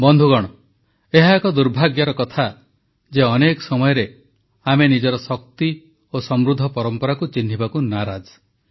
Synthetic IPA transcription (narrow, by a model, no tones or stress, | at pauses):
bɔnd̪ʱuɡɔɽ̃ɔ | eɦaekɔd̪uɾbʱaɡjaɾɔkɔt̪ʰa | d͡ʒeɔnekɔsɔmɔjɔɾe | amenid͡ʒɔɾɔsɔk̚t̪i | osɔmɾud̪ʱːɔpɔɾɔmpɔɾakut͡ʃin̤ːibakunaɾad͡ʒ